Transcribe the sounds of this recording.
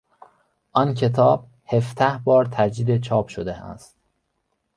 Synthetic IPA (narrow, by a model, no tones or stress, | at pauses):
ʔɒncʰe̞t̪ʰɒːb̥̚ | he̞fd̪æhbɒːɾt̪ʰæd͡ʒd̪iːd̪e̞t͡ʃʰɒːb̥ʃod̪eæ̰st̪